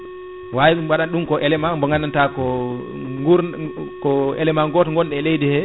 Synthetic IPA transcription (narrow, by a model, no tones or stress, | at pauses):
wawiwaɗanɗumkɔʔɛlɛmambɔŋɡanantakɔ | ŋɡuɾkɔɛ̰lɛmaŋɡɔtŋɡɔnɗɛlejdihɛ